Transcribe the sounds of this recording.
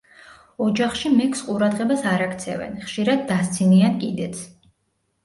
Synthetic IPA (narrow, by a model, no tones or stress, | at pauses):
ɔd͡ʒaχʃimɛkʰʼsqʼuɾad̪ʁɛbasaɾakʰt̪sʰɛ̰vɛ̰nχʃiɾad̪ːast̪sʰiniankʼid̪ɛt̪sʰ